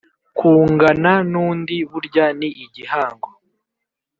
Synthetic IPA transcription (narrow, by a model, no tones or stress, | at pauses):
kʰuːŋɡananuːndiβuɾɟaniʔːɟihaːŋɡo